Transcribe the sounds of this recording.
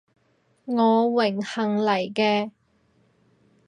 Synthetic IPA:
ŋɔː˨˧wɪ˨˩ŋhɐ˨˩ŋlɐ˨˩jkɛː˧

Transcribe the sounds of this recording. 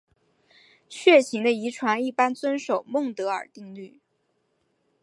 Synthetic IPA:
ɕɥɛ˥˩ɕi˧˥ŋd̪ə˧i˧˥ʈ͡ʂʰwa˧˥ni˥˩pa˥nt͡swə˥nʂo˨˩ʊmʊ˥˩ŋt̪ɤ˧˥ə̰˞˨˩t̪i˥˧ŋly˥˩

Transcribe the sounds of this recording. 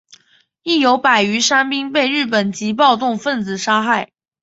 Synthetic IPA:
i˥˩jo˧˥ʊpa˨˩ɪy˧˥ʂa˥npi˥ŋpe˥˧ɪɻɻ̩˥˩pə˨˩nt͡ɕi˧˥p̬ɑ˥˧ʊt̪ʊ˥˧ŋfə˥˩nt͡sɹ̩˨˩ʂa˥xa˥˩ɪ

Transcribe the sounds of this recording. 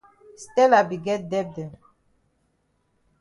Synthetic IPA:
stɛ˦la˨bi˨ɡɛ˦t̚dɛ˦b̚dɛ˨

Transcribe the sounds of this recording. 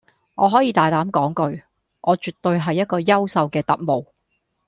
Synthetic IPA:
ŋɔː˨˧ɦɔː˨˥jiː˧t̪aː˨˩jt̪aː˨˥mkɔː˨˥ŋkɵ˧ɥ | ʔɔː˨˧t͡ʃyː˨˩t̪ːɵ˧ɥɦɐ˨jːɐ˥t̚kɔː˧jɐ˥wsɐ˨˧wkɛː˧t̪ɐ̰˨˩t̚mo˨w

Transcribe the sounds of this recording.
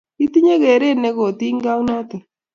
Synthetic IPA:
i˦t̪i˦ɲe˦ɣe˨ɾe˦ne˦ɣo˨t̪i˦ŋɡa˦u˦nɔ˦t̪ɪ˨

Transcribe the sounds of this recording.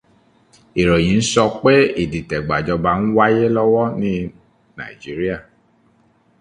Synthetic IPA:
e˨ɾo˨j̃ĩ˨˦n̩˦sɔ˧k͡pe˦i˦˨di˨tɛ˨ɡ͡ba˨d͡ʒɔ˧ba˨n̩˦wa˦je˦lɔ˦wɔ˦nĩ˦ | na̰˨i˨d͡ʒi˨˦ɾi˦a˦˨

